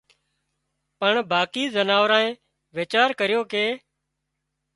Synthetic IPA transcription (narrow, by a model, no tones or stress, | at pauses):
pəɳbaːkiːzənaːʋɾãːẽː | ʋeːt͡ʃaːɾkəɾɪjoːkeː